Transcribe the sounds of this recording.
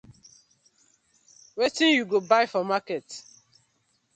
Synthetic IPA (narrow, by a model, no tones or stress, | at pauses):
wetinjuɡobaɪfɔmakɛt